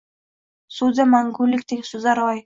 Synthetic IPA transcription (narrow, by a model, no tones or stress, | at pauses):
suzamaŋɡʊlːɪk̚ʲt̪ʰeɡʲɪsʊzaɾɒj